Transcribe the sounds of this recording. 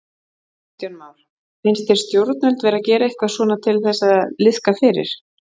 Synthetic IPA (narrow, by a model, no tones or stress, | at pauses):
t̪jonmawɾ̥ | fɪnst̪ɛɾst̪jowɾt̪̚nʏlt̪vɛːɾacɛːɾaehkvḁsvɔːnat̪ʰɪlθɛsːaðlɪskafɪːɾɪ̰ɾ̥